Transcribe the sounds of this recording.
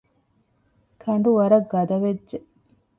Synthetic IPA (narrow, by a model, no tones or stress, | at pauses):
kʰɐɳ̆ɖuʋɐɾɐɡːɐd̪ɐʋedʒe